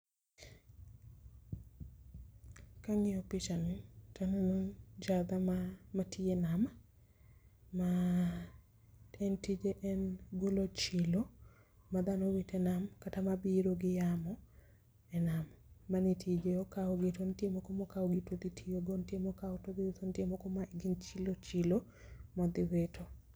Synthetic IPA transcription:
kaŋɪɔpɪt͡ʃanɪtanonod͡ʒad̪amamatʰienama | ma | ɛntid͡ʒeʔɛnɡolot͡ʃɪlo | mad̪anowitɛnamkatamabiɾoɡɪjamɔ | ɛnamːanitʰid͡ʒeɔkaɔɡitontiemɔkɔmɔkaɔɡɪtod̪itʰijoɡontjemɔkaɔtodɪwet̪ontjemɔkɔmaɡɪnt͡ʃilot͡ʃilo | mɔd̪ɪwetʰo

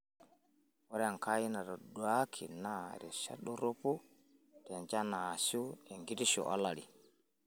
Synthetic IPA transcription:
waɾɛankajinaɾɔduakʰinaɾɛ̰ʃa̰ɗuɾopu | d̥ɛnd͡ʒanasuɛŋɡidiʃɔ̰ʔa̰lːaɗi

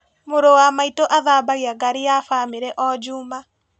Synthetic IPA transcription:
moɾowamaitoʔaðaːbaɣiaɡaɾijafaːmeɾɛʔɔd͡ʒuːma

